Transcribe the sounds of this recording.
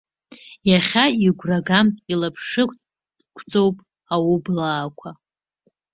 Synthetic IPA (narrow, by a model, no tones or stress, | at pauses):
jaχʲaiɡʷraɡamilapʰʂɨkʷʼtʼ | d̥kʷʰt͡sʼo̞wpʼ | awublaːkʷʰa